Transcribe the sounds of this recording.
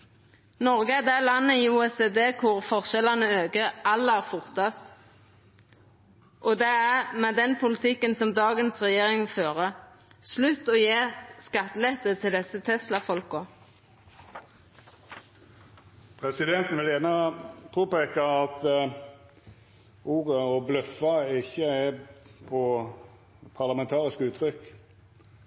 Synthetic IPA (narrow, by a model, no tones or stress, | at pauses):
nɔʁɡəæd̪æːlɑnːəiːuːɛseːd̪eːkʰʊʁfɔʁʃɛlɑnəøːɡəʔɑlːæːʁfʊʁt̪ɑst̪ | ʔɔd̪ɛæʁmɛːd̪ɛnpʰʊlɪt̪ʰɪkːənsɔmd̪ɑːɡənsʁɛjeːʁɪŋføːʁə | slʉt̪ːɔːjeːskɑt̪ːəlɛt̪ət̪ʰɪld̪ɛsət̪ʰɛslɑfɔlkʊ | pʰʁɛsɪd̪ɛnt̪n̩ʋɪljæːʁnɑpʰoːpeːkɑɑt̪ | uːʁəɔblœfːɑɪçːəɛpʰɔ | pʰɑʁlɑmɛnt̪ʰɑːʁɪskəʉːt̪ʰɾʏk